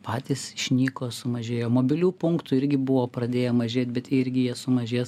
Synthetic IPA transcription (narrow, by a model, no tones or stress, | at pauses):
pɑːt̪ʲisʃʲnʲiːkoːsʊmɐʒʲeːjoːmoːbʲɪlʲuːpʊŋkt̪ʊɪɾʲɡʲɪbʊʋoːpɾɐd̪ʲeːjomɐʒʲeːt̪̚ʲbʲɛt̪ɪɾʲɡʲɪjiɛsʊmɐʒʲeːs